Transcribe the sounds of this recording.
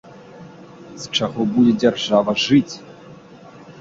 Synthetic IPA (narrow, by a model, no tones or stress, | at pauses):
st͡ʂaɣɔbudʲɛd͡zʲarʐavɐʐɨt͡sʲ